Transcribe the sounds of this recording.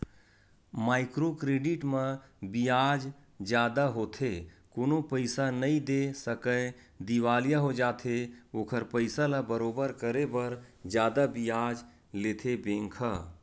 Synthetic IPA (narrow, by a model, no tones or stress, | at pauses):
maːɪkɾokɾeːɖɪʈmə̃bijaːd͡ʒ | d͡ʒjaːd̪aɦoːt̪ʰekoːnopəɪsanəĩd̪esəkə | d̪iʋaːlijaɦod͡ʒaːt̪ʰeoːkʰəɾpəɪsalabəɾoːbəɾkəɾebəɾd͡ʒjaːd̪abijaːd͡ʒ | leːt̪ʰebẽːŋkʰə